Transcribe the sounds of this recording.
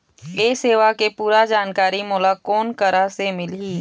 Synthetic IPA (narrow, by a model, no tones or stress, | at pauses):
eːseːʋakepuːɾad͡ʒaːnkaːɾimɔːlakoːnkəɾasemɪlɦiː